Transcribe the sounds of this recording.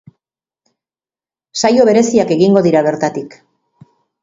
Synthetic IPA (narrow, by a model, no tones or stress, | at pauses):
sajo̞βe̞ɾe̞siake̞ɣiŋɡo̞ðiɾaβe̞ɾt̪at̪ik